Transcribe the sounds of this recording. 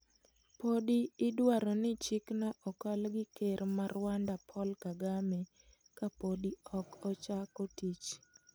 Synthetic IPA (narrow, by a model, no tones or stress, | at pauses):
podiːdwaɾɔnɪt͡ʃiknaʔɔkɔlɡɪkeɾmarwandapʰɔlkaɡame | kapodiɔkɔt͡ʃakotit͡ʃ